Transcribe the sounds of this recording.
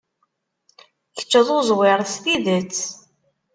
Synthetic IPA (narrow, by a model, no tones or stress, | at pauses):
kə̥t͡ʃːəðˤozˤwɪɾˤsθiðət͡sː